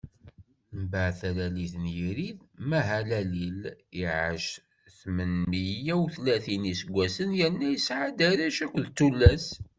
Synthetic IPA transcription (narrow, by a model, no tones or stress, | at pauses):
mbaʕθælæliθənjiɾiðmæɦælæliliʕə̰ʃ | θmənːijæwθlæθinisəɡʷːæsənjəɾnːæjsʕad̪æɾæʃækʷːðt̪ːulːæs